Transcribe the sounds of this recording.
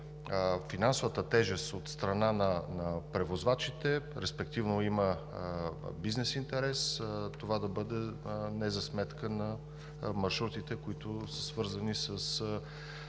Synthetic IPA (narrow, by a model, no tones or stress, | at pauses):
finansʊvət̪ət̪ɛʒɛst̪ot̪st̪ɾɐnanɐnɐpɾɛvozvat͡ʃit̪ɛɾɛspɛkt̪ivnoimə | biznɛsint̪ɛɾɛst̪ovad̪ɐbɤd̪ɛnɛzɐsmɛt̪kənɐ | mɐɾʃɾut̪it̪ɛkoit̪ʊsə̥svɤɾzənisəs